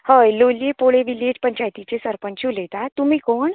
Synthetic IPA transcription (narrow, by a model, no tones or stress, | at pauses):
həjlolepoɽeʋiled͡ʑpəɲt͡ɕajt̪it͡ɕesəɾpənt͡ɕulet̪at̪umiːkoɳ